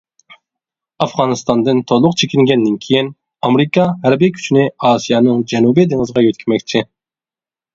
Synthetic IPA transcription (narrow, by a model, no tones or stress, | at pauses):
ɑfʁɑːnɨst̪ɑnd̪ɨnt̪ʰolˠʊqt͡ʃʰekʲiŋɡʲɛnd̪ɪnkʲʰejin | ɑmɾɨkʰɑɦæɾbikʲʰy̥t͡ʃʰinɪɑːsijɑnɨŋd͡ʒɛnubid̪eŋəzəʁɑjøt̪kʲʰimɛkʲt͡ʃʰi